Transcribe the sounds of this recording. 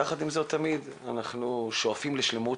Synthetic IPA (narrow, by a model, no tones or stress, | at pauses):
aχad̪imzot̪ʰamid̪ | anaχnuʃoafimleʃle̞mu